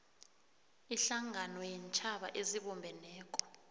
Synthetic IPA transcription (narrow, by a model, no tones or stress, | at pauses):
iɬaŋʱanɔjint͡ʃʼʰaɓa̰ʔeziɓɔmbʱɛnɛːkʼɔ̥